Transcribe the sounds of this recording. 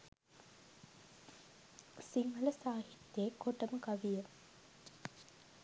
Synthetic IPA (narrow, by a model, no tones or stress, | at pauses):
siŋɡələsaːɦit̪jeːkoʈəməkaʋijə